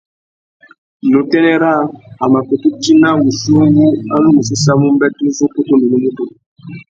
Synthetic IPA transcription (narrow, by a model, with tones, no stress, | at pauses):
no˨tɛ˦nɛ˦ɾa˦a˨ma˨ko˨tu˦ti˦na˦mu˨su˦o˦ŋɡu˦a˦nu˦mu˨su˦sa˦mu˦m˦bɛ˦tu˦zo˦ko˦to˦nu˨nu˦mu˦to˨